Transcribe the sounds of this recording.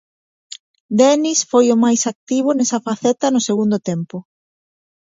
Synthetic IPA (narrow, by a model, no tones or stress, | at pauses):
d̪ɛnisfojʊmajsak̚t̪iβ̞ʊnɛsɐfaθɛt̪ɐnʊseɣund̪ʊt̪empʊ